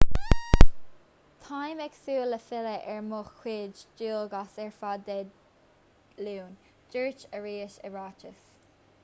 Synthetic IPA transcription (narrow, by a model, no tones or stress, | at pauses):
t̪ʰajmɛksuːləfɪləʔɛɹmʊxkweːd͡ʒd͡ʒuːlɡasɛɹfad̪ɛd | luːn | d͡ʒɜːɹt͡ʃəɹiːəʃəɹaːt͡ʃəs